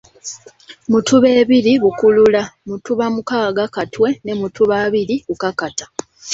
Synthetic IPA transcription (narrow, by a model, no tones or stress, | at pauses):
mutuβe̞ːβiɾiβukululamutuβamukaːɡakatwe̞ne̞mutuβaːβiɾiβukakatḁ